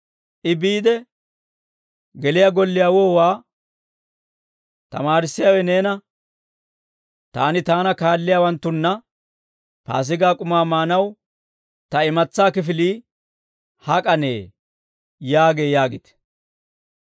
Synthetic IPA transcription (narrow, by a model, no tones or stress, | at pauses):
ʔɪbiːd̪ɛ | ɡɛlɪjaɡɔlːɪjaːwoːwaː | t̪ɐ̰maːɾɪsːɪjawɛne̞ːnɐ | t̪aːnɪt̪aːnɐkaːlːɪjaːwɐnt̪ːʊnːɐ | pa̰ːs̬ɪɡaːkʼʊmaːmaːnɐw | t̪ɐɪmɐt͡sːaːkɪfɪliː | hɐkʼɐnḛː | jaːɡe̞ːjaːɡɪt̪ɛ̥